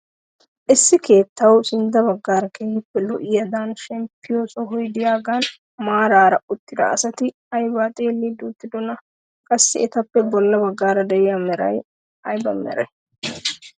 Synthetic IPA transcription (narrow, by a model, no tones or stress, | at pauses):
ʔɪsːɪke̞ːt̪ːɐwsɪnd̪ɐbɐɡːaːɾɐkehɪpːɛlɔʔɪjɐd̪aːnʃɛmpːɪjoːsɔɦɔjd̪ɪjaːɡan | maːɾaːɾɐʔʊt̪ːɪd̪ɐ̰ɐ̰sɐt̪ɪ | ɐjbat̪ʼeːlːid̪uːt̪ːɪd̪ɔnɐ | kʼɐsːɪɛt̪ɐpːɛbɔlːɐbɐɡːaːɾɐd̪ɛjɐmɛɾɐ̰j | ɐjbɐ̰mɛ̰ɾɐj